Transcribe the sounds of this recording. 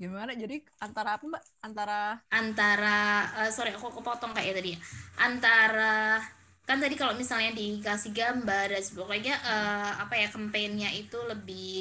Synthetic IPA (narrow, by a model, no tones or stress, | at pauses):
ɡimanad͡ʒadi | ant̪aɾaːpambaʔant̪aɾaʔant̪aɾaəːsoɾiakukəpɔt̪ɔŋkaʔjat̪adijaʔant̪aɾa | kant̪adikalomisalɲadikasihɡambardansibokad͡ʒaʔəːapajakəmpenɲait̪uləbɪ